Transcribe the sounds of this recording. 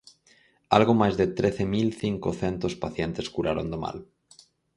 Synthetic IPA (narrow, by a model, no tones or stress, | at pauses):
alɣomajzðet̪ɾeθemilθiŋkoθent̪ospaθjent̪eskuɾaɾo̰nd̪oma̰l